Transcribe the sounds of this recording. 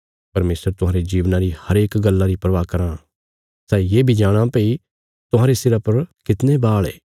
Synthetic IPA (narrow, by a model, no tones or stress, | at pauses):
pɐɾmeːsəɾt̪ʊɦãːɾed͡ʒiːʋnãɾihɐɾeːkɡɐlːãɾipɾɐʋakɐɾã | sɛːjeːbʱid͡ʒaːɽ̃ãpei | t̪ʊɦãːɾesɪɾapɐɾkɪt̪nebaːɭḛː